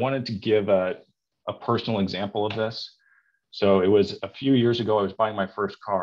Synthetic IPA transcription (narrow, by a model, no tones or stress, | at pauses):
wɑ̃ɾ̃ɨd̚tʰɨɡɪvə | ʔəpʰɜ˞sn̩l̩ˠəɡzæ̃mpl̩ˠʌvðɪsː | oʊɪt̚wʌzɨfjʉjɪɹzɨɡoʊaɪwʌzbaɪɪ̃ŋmaɪfɜ˞skʰɑ